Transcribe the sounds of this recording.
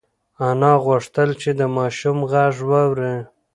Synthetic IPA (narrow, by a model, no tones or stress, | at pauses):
anɑɣʊʂt̪əlt͡ʃed̪əmɑʃumɣaʐwawɾe